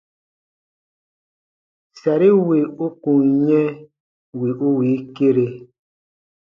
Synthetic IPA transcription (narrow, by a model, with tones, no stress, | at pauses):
sa˨ɾi˦we˨u˦kũ˨ŋɲɛ̃˦ | wi˨ʔu˦wi˨˦ke˦ɾe˨